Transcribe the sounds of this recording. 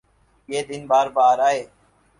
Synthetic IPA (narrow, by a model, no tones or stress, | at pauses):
jeːd̪ɪnbaːɾbaːɾaːɦeː